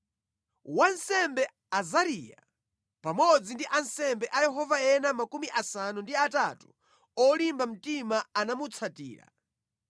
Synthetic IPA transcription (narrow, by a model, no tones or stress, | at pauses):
wansɛmbɛ | azaɾiːja̰ | pamɔd͡zindiʔansɛmbɛʔajɛɦɔvaɛnamakumiʔasanundiatatu̥ | ɔlimbam̩timaanamut͡sʰatḭːɾa̰